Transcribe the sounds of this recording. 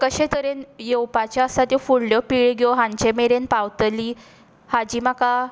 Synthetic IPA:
kəɕẽt̪əɾenjewpat͡ɕaəsat̪jefuɽljɔpiɭɡɔɦãɲt͡ɕemeɾenpawt̪li | had͡ʑiːmaka

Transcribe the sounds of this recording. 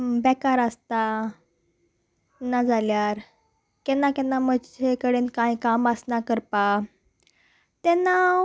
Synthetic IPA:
bɛkaɾəst̪a | nad͡zʱaljaɾ | kɛnːakɛnːamət͡ɕʰekəɽenkãjkaməsnakəɾpa | t̪ɛna

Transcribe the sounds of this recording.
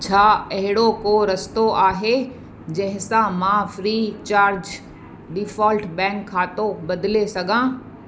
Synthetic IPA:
t͡ɕʰaːɐɦɪɽokoɾɐst̪oʔaːɦe | d͡ʑɐ̃ɦɪ̃sãmãfɾiːt͡ɕaːɾd͡ʑ | ɖɪfɔːlʈbɛ̃ːŋkʰːaːt̪obɐd̪ɪlesɐɡʱãː

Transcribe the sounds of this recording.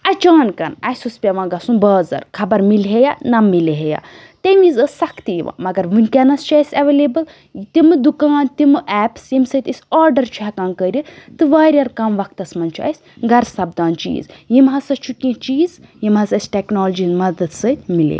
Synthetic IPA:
ɐt͡ʃaːnkɐnɐ̰jsuspʲɐʋãːɡɐsũbəːzɐ̰ɾkʰɐbɐɾmilɦejanɐmːileɦeja̰ː | t̪emizəsʲsɐkʰt̪ijḭʋã̰ːmɐɡɐɾʋɨnʲkʲɐnɐst͡ʃaːjsʲɐʋeːleːbɐl | t̪imɨd̪ukaːnt̪imɨʔɛːpsjimsɐt̪ʲisʲaːɾɖɐɾt͡ʃʰaɦkaːnkəːɾʲit̪ɨʋaːɾʲɐɾkɐmʋɐk̚ʰt̪ɐsmɐnt͡ʃʰa̰ːisʲ | ɡɐɾsɐbd̪ãːnt͡ʃḭːzjimɦɐsɐt͡ʃʰukʲĩt͡ʃiːzjimɦɐsɐsʲʈeknoːld͡ʒizmɐd̪ɐd̪sɐt̪ʲmilḛ

